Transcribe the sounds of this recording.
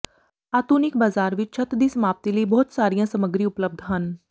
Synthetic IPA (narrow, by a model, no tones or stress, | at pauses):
aːt̪uːnɪkbaːzaːɾʋɪt͡ʃt͡ʃʰɐt̪d̪iːsmaːp̚t̪iliibɔːt̪saːɾijãsɐməɡɾiʊpləb̚d̪ʱɦən